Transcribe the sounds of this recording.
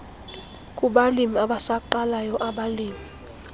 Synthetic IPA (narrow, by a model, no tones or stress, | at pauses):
kʼuɓalimiaɓasaǃalajɔʔaɓaliːmi